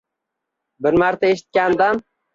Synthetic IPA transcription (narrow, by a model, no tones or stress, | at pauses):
bɪɾmaɾt̪ʰaeʃɪ̥t̪̚kʲand̪an